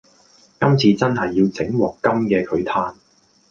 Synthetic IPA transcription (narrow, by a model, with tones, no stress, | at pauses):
kɐ˥mt͡sʰiː˧t͡sɐ˥nɦɐ˨jːiː˧wt͡sɪ˨˥ŋwɔː˨kːɐ˥mkɛː˧kʰɵ˨˧ɥt̪ʰaː˥n